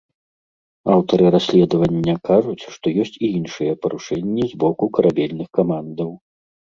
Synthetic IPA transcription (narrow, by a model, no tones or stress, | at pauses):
awt̪ɐɾɨɾasʲlʲɛd̪ɐvɐnʲːɐkaʐut͡sʲʂt̪ɔjɔsʲt͡sʲiinʂɨjɛpɐɾuʂɛnʲːizbɔkukɐɾʔabʲɛlʲnɨxkamand̪ɐw